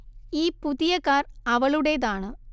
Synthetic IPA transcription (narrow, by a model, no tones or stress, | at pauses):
iːpuðijɐkːaːrɐʋɐɭuɽeðaːɳɨ